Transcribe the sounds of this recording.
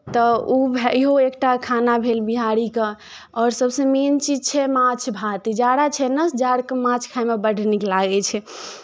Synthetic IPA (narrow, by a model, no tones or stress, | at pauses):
t̪ɔubʱiɦoekʈakʰanabʱelbiɦaɾike | ɔɾsəbsə̃ment͡ʃid͡ʒt͡ʃʰɛmãt͡ʃʰbʱat̪id͡ʒaɽat͡ʃʰɛnəsd͡ʒaɽkemãt͡ʃʰkʰaimebəɽ̤ʱniklaɡɛt͡ʃʰɛ